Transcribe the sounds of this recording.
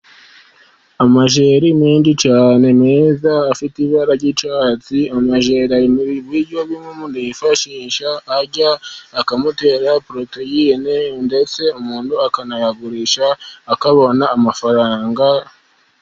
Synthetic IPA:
amaʒe̞ːɾimiːndit͡ʃaːne̞meːzaːfitiβaɾaɟit͡ʃwaːt͡siamaʒe̞ɾaimuβiβwiɾɟoβimomundijifaʃiːʃaːɟaːkamute̞ːɾapɾo̞tejienende̞t͡se̞umuːnuakanajaɡuɾiʃaːkaβo̞naːmafaɾaːŋɡa

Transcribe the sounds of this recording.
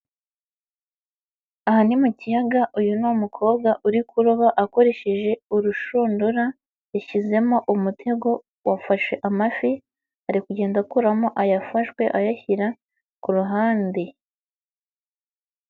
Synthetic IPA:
ahanimucijaɡaʔujunumukʰo̞ːbɡaʔuɾikuɾoβaʔako̞ɾe̞ʃeʒe̞uɾuʃuːnduɾa | eʃize̞mo̞ʔumutʰe̞ɡo̞ | wafaʃwe̞ʔamafi | haɾikuɟe̞ːndakuɾamoʔajafaʃkwe̞ʔajaçiɾa | kuɾuɦaːnde

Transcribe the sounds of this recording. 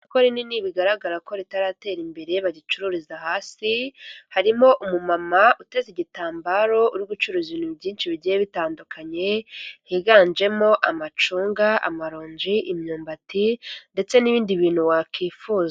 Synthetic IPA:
koɾininiβiɡaɾaɡaɾako̞ɾitaɾaːte̞ːɾimbe̞ɾe̞βaɟit͡ʃuɾuɾizahaːsihaɾimo̞ʔumumamaute̞ziɟitaːmbaɾo̞uɾɡut͡ʃuɾuːziβiːnuβɟiːnt͡ʃiβiɟijeβitaːndukʰaɲe̞hiɡaːnd͡ʒe̞mo̞ʔamat͡ʃuːŋɡaʔa̰maɾoːɲd͡ʒiʔimɲuːmbatinde̞t͡se̞niβiːndiβiːn̥huwakiːfuːza

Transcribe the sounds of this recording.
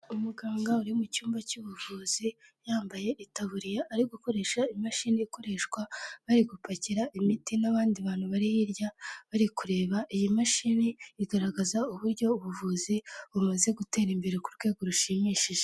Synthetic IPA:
umuɡaːŋɡauɾimucuːmbacuβuvuːz̥ijaːmbaje̞ʔitaβuɾijaːɾiɡuko̞ɾe̞ːʃaimaʃiːniiko̞ɾe̞ʃkwaβaɾiɡupaciɾaʔimitinaβaːndiβaːn̥huβaɾihiɾjaβaɾikuɾe̞ːβaʔijimaʃiniːɡaɾaɡazauβuɾɟo̞uβuvuːziβumaze̞ɡute̞ːɾimbe̞ɾekuɾɡwe̞ːɡoɾuʃiːmiːʃiʒe

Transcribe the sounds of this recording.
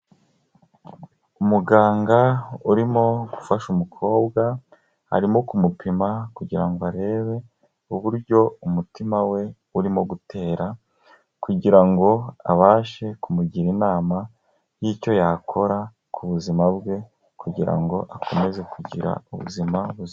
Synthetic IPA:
umuɡaːŋɡauɾimo̞ɡufaʃumukʰo̞ːbɡa | ha̰ɾimokumupʰimakuɟiɾaŋɡoaɾe̞ːβe̞ | uβuɾɟo̞umutimawe̞ | uɾimo̞ɡutʰe̞ːɾa | kuɟiɾaŋɡo̞a̰βaːʃe̞kumuɟiɾinaːma | jiːco̞jakʰo̞ɾa | kʰuβuzimabɡe̞ | kʰuɟiɾa̰ŋɡo̞ʔakʰo̞me̞ze̞kuɟiɾa̰uβṵzimaβuz

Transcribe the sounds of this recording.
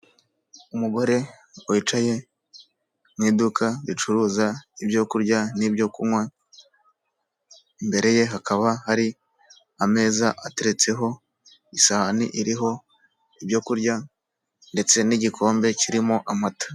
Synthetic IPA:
umuɡo̞ɾe̞ | wit͡ʃaje̞ | mwiːdukʰaβit͡ʃuɾuːzaibjo̞kuɾɟanibɟo̞kumŋwe | mbe̞ɾe̞je̞ɦakaβahaɾi | ame̞ːzaʔate̞ɾe̞t͡se̞ɦo̞ | isaanḭʔiɾiɦo̞ | ibjo̞kuɾɟa | nde̞t͡se̞niɟikʰo̞ːmbe̞ciɾimoʔamatḁ

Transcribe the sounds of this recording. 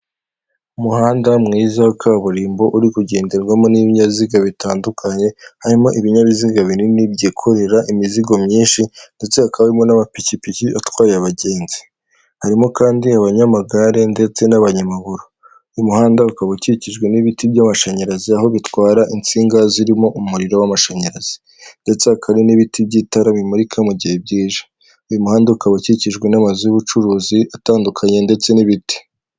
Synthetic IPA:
umuhaːndamŋiːzakʰaβuɾiːmbo̞ʔuɾikuɟe̞ːnde̞ɾɡwamo̞niβiɲaβiziɡaβitʰaːndukʰaɲe̞haɾimo̞ʔiβiɲaβiziɡaβiniinibɟiːkʰo̞ɾe̞ɾaʔimiziɡo̞mɲiːnʃinde̞t͡se̞akaβaimo̞namapicipiciatwaːɾeaβaɟe̞ːnzi̥ | haɾimo̞kaːndiaβaɲamaɡaɾe̞nde̞t͡se̞naβaɲamaɡuɾu | jumuhaːndaukaβociciʒɡwe̞niβitibɟamaʃaɲaɾaziaɦo̞βitwaːɾaʔint͡siːŋɡaziɾimo̞ʔumuɾiɾo̞wamaʃaɲaɾaz̥i̥ | nde̞t͡se̞akʰaɾiniβitʰib̚ɟitaɾaβimuɾikʰamuɟihe̞b̚ɟiːʒḁ | ujumuhaːndaukaβaciciʒɡwe̞namazujuβut͡ʃuɾuːziʔataːndukʰaɲe̞nde̞t͡seniβiti̥

